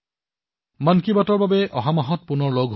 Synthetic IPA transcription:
mankibatɔɹbabɛʔɔɦamaɦɔt̚pʊnɔɹloɡʱɦ

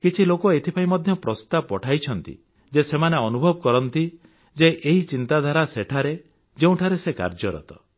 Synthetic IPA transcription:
kit͡ʃʰilokoet̪ʰipʰaĩmɔd̪ʱjɔpɾɔst̪ab̚pɔʈʰajt͡ʃʰɔnt̪ḭ | d͡ʒesemaneɔnubʱɔbɔkɔɾɔnt̪i | d͡ʒeʔeɦit͡ʃint̪ad̪ʱaɾaseʈʰaɾe | d͡ʒeũʈʰaɾeseka̰ɾd͡ʒɔɾɔ̰t̪ɔ̰

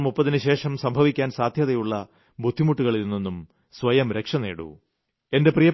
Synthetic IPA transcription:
mupːɐðinɨɕe̞ːʂɐmsɐmbʱɐʋikʲːaːnsaːd̪ʱjɐðɐjuɭːɐ | bʱud̪ʱːimuʈːuɣɐɭinːenːum | sʋɐjɐmɾe̞kʂɐnḛːɽṵ | e̞nde̞prijɐ

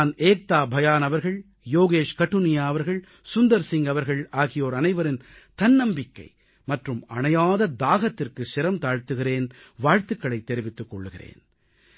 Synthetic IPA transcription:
neːk̚t̪aːbʱɐjaːnɐʋɐɾɣɐɭ | joːɣeːʂkɐʈːɯnɪjaːɐʋɐɾɣɐɭ | sʊnd̪ɐɾsɪŋɡɐʋɐɾɣɐɭaːɣɪjoːɾɐnɐɪʋɐɾɪnt̪ɐnːɐmbɪkːɐ̰ɪ | mɐʈrɯmɐɳɐjaːðɐd̪aːɣɐt̪ːɪrkɯsɪɾɐmt̪aːɻt̪ɯɣɪɾeːn | ʋaːɻt̪ɯkːɐɭɐɪt̪ːɛɾɪʋɪt̪ːɯkːɔɭːɯɣɪrḛːn

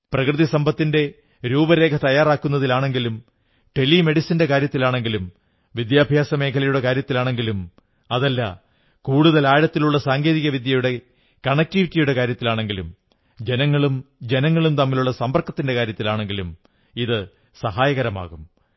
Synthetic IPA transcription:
prɐkrɨðisɐmbɐt̪ːinde̞ | ɾuːbɐɾe̞ːkʰɐt̪ɐjːaːraːkːunːɐðilaːɳe̞ŋɡilum | ʈe̞lːime̞ɽisɐnde̞kaːɾjɐt̪ːilaːɳe̞ŋɡilum | ʋid̪jaːbʱjaːsɐme̞ːkʰɐlɐjuɽe̞kaːɾjɐt̪ːilaːɳe̞ŋɡilum | ɐðɐlːɐ | kuːɽuðɐlaːɻɐt̪ːiluɭːɐsaːŋɡe̞ːðiɣɐʋid̪jɐjuɽe̞ | kɐɳek̚tiʋitːijuɽe̞kaːɾjɐt̪ːilaːɳe̞ŋɡilum | d͡ʑe̞nɐŋːɐɭumd͡ʑe̞nɐŋːɐɭumt̪ɐmːiluɭːɐsɐmbɐrkːɐt̪ːinde̞kaːɾjɐt̪ːilaːɳe̞ŋɡilum | iðɨ | sɐɦaːjɐɣɐɾɐma̰ːɣum

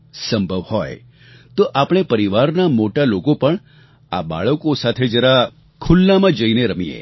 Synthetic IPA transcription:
səmbʱəʋhɔj | t̪oʔapɽ̃epəɾiʋaɾnamoʈalokopəɳ | a̰ba̰ɭəkosat̪ʰed͡ʒəɾa | kʰulːamãd͡ʒəineɾəmiḛ

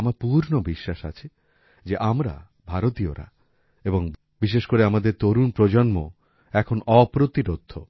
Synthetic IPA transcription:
maɾpuɾnobiʃːaʃa̰t͡ɕʰi | d͡ʑeʔamɾa̰ | bʱaɾot̪ioɾa̰ | eboŋ | biʃeʃkoɾeamad̪eɾt̪oɾunpɾod͡ʑonmo | ɛkʰonɔpɾot̪iɾod̪ʱːo̰

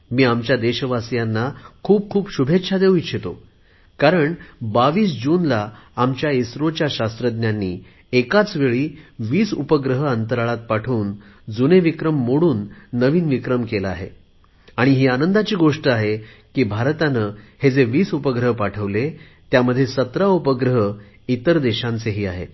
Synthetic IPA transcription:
miːamt͡ɕjad̪eɕəʋasjanːakʰuːp̚kʰuːpɕubʱet̪ːɕʰad̪eʋuiɕʰet̪o | kaɾəɳbaʋiːsd͡ʑuːnlaamt͡ɕjaisɾot͡ɕjaɕast̪ɾəd̪njanːiː | ekat͡sʋeɭiːʋiːsupəɡɾəɦəənt̪əɾaɭat̪̚paʈʰuːn | d͡zuneʋikɾəmːoɽuːnːəʋiːnʋikɾəmkelaaɦḛ | aɽ̃iɦiːanənd̪at͡ɕiːɡoʂʈəaɦe | kiːbʱaɾt̪anəhed͡zeʋiːsupəɡɾəɦpaʈʰəʋle | t̪jaməd̪ʱːjesət̪ɾaupəɡɾəɦə | it̪əɾd̪eɕãnt͡seɦiːaɦḛ

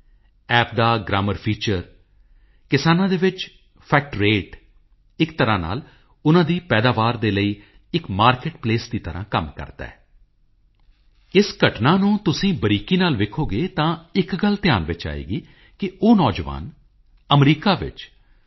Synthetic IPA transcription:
ɛːp̚ʰd̪aːɡɾaːməɾpʰiːt͡ʃəɾ | kɪsaːnãːd̪eːʋɪt͡ʃ | pʰɛːk̚ʈɾeːʈ | ɪkt̪əɾãːna̰ːl | ʊnãːd̪iːpɛːd̪aːʋaːɾd̪eːləiː | ɪkmaːɾkeʈpleːsd̪iːt̪əɾã̰ːkəmkə̰ɾt̪a̰ːɛː | ɪsɡəʈnaːnũːt̪ʊsĩːbəɾiːkiːnaːlʋɪkʰoːɡeːt̪ãːɪkɡəlt̪ɪjaːnʋɪt͡ʃa̰ːḛːɡiː | kɪoːnɔːd͡ʒʋa̰ːn | əmɾiːkaːʋɪ̰t͡ʃ

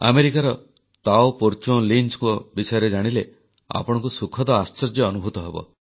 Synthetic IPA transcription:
a̰meɾikaɾɔ | t̪awpoɾt͡ʃõlinskuɔbisɔjɔɾed͡ʒaɽ̃ile | a̰pɔɽ̃ɔ̃ŋkusukʰɔd̪ɔast͡ʃɔɾd͡ʒɔːnubʱut̪ɔɦebɔ̰

